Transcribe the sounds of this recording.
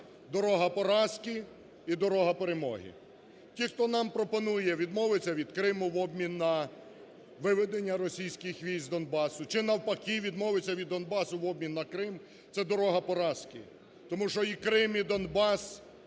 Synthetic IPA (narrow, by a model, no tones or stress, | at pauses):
d̪ɔɾɔɦɐpɔɾɑsʲkʲi | id̪ɔɾɔɦɐpeɾemɔ̰ɦɪ̰ | tʲixt̪ɔnɑmpɾɔpɔnujɛʋʲid̪mɔʋet͡sʲːɐʋʲid̪kɾɪmʊʋɔbmʲinːɐ | ʋɪʋed̪enʲːɐɾɔsʲijsʲkɪxʋʲijzʲd̪ɔnbɑsʊt͡ʃɪnɐwpɐkiʋʲid̪mɔʋet͡sʲːɐʋʲid̪ːɔnbɑsʊʋɔb̚mʲinːɐkɾɪm | t̪sɛd̪ɔɾɔɦɐpɔɾɑsʲkʲɪ̰ | t̪ɔmuʃɔikɾɪmid̪ɔnbɑs